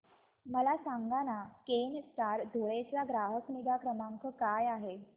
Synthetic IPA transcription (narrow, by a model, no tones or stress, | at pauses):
məlasaŋɡanakenst̪aɾd̪ʱoɭet͡saɡɾaɦəknid̪ʱakɾəmaŋkəkajaɦe